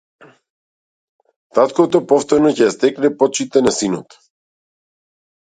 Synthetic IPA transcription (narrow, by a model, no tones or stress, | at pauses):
t̪at̪kɔt̪ɔpɔft̪ɔɾnɔcɛjast̪ɛknɛpɔt͡ʃit̪ɛnasinɔt̪